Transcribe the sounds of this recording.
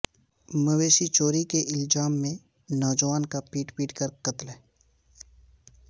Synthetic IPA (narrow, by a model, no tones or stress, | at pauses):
məweːʃit͡ʃoːɾikeʔɪlzaːmːẽ | nɔːd͡ʒəʋaːnkapiːʈpiːʈkəɾkət̪lɦɛː